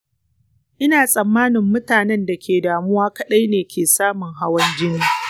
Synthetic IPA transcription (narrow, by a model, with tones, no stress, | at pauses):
ʔɪ˦naː˨sʼɐ˨mːaː˦nɪ˨mːʊ˦taː˨nɛ˦nda˨kʲʰeː˨daː˨mʊ˦waː˦kɐ˦˨ɗa˦jneː˨kʲʰeː˨saː˦mʊ˨ŋɦa˦wɐ˦nd͡ʒɪ˦niː˦